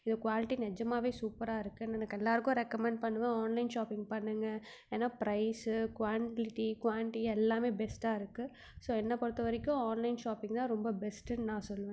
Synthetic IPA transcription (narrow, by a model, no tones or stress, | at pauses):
ɪðkʋaːlɪʈːinɛd͡ʒɐmaːʋeːsuːpɐɾaːɪɾɯkːɯnɛnɐkːɛlːaːɾɯkːʊ̃ɾɛkːɐmɛɳɖ̚pɐɳːɯʋẽaːnlɐɪnʃaːpɪŋɡpɐɳːɯŋɡɐ | eːnːaːpɾɐɪskʋaːɳʈɪʈikʋaːlɪʈiɛlːaːmeːbɛsʈaːɪɾɯkːɯ | soːɛnːɐpɐɽɯt̪ːɐʋɐɾɪkːʊ̃aːnlɐɪnʃaːpɪ̃ŋɡt̪ãːɾɔmbɐbɛsʈɯnãːsɔlːɯʋẽ